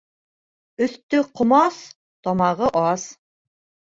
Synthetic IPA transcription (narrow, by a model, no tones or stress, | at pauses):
ɵ̆θt̪ɵqŏmɑs | t̪ɒmɑʁɤʔɑs